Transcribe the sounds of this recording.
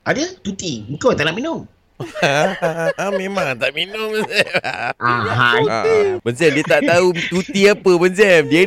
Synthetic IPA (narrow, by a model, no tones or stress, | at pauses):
ʔadət̪ut̪iŋkowt̪aʔnaʔminʊm | amẽmãŋt̪aʔminʊmbənsɛmaaa | bənsɛmdiət̪aʔt̪aut̪ut̪iapəbənsɛmdiə